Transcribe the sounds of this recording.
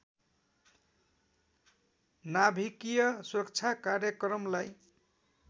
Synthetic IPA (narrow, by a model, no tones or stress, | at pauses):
nabʱikijʌsuɾʌk̚t͡sʰakarjʌkrʌmlaj